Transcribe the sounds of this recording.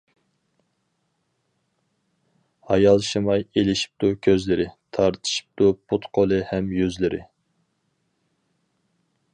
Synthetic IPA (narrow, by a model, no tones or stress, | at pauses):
hɑjɑlˠʃɨmɑjelɪʃi̥p̚t̪ʰʊkʲʰøzlɪɾɪt̪ʰɑɾt̪ʰɨ̥ʃi̥p̚t̪upʰut̪qʰolˠɨhɛmjyzlɪɾʔɪ̰